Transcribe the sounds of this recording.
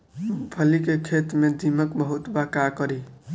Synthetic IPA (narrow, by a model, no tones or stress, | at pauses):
pʰəlikekʰet̪med̪iməkbəɦut̪bakakʌɾi